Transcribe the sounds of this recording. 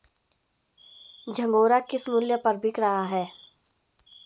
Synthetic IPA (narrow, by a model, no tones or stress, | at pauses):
d͡ʒʱɐ̃ŋɡoːɾakɪsmʊljəpɐɾbʱikɾaɦaɦɛː